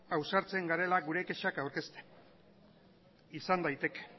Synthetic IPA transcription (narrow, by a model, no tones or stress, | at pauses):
awsaɾt͡se̞ŋɡaɾe̞laɡuɾe̞ke̞ʃakawɾkest̪e | isand̪ajt̪e̞ke̥